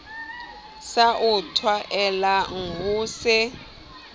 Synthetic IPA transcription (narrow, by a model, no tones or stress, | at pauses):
saʔutʰwaʔɛlaŋuːsɛ